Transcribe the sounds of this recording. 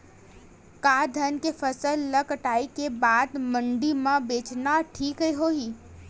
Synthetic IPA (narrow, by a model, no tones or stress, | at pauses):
kad̪ʱənkefʰəsəlːəkəʈaːikebaːd̪mə̃ɳɖimãbeːt͡ʃnaʈʰiːkɦəjɦoiː